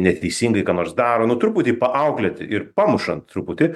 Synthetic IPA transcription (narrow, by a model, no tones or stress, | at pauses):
nʲɛt̪ʲɛɪsʲiːŋɡɐɪkɑːnoːɾsd̪ɑːɾoːnʊt̪ɾuːpʊt̪ʲiːpɐʔɐʊklʲɛt̪ʲɪʔɪɾpɑːmʊʃɐnt̪t̪ɾupʊt̪ʲɪ